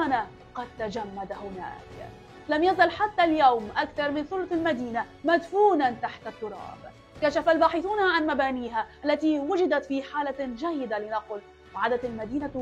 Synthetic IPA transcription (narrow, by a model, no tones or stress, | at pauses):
na | qɑd̪̚t̪ad͡ʒamːad̪ahʊna̰ːk | lamjazalħat̪ːaljawmʔakθɑɾˤmɪnθʊlt̪almad̪iːnamad̪fuːnant̪aħt̪at̪ːʊɾˤɑ̰ːb | kaʃafalbaːħɪθuːnaʕanmabaːniːɦaʔalːat̪iwʊd͡ʒɪd̪at̪fiːħaːlad͡ʒajːɪd̪alɪnaqʊl | ʕad̪at̪almad̪iːna